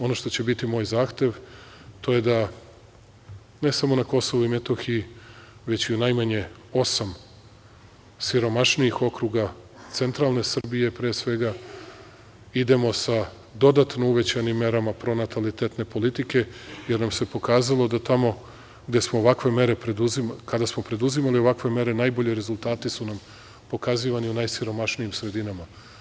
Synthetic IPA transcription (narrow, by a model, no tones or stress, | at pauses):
o̞no̞ʃt̪o̞t͡ɕe̞bit̪imo̞ːjzaːxt̪ʲje̞ʋ | t̪o̞je̞d̪a | ne̞samo̞nako̞so̞ʋuime̞t̪o̞xiiʋe̞t͡ɕiunajmaɲe̞ | o̞sam | siɾo̞maʃnijixo̞kɾuɡa | t̪se̞nt̪ɾaːlˠne̞sr̩bije̞pɾeːsʋe̞ɡa | id̪e̞mo̞sa | d̪o̞d̪at̪no̞uʋe̞t͡ɕajnimːe̞ɾamapɾo̞nat̪alit̪et̪ne̞polit̪ike̞jeɾnamse̞po̞kaːzalˠo̞d̪at̪amo̞ | ɡd̪e̞smo̞oʋakʋe̞me̞ɾe̞pɾed̪uzimkad̪asmo̞pɾe̞d̪uzimalio̞ʋakʋe̞me̞ɾe̞najbo̞ʎeɾe̞zulˠt̪aːt̪isunam | po̞kaziʋaniunajsiɾo̞maʃnijimsɾe̞d̪inama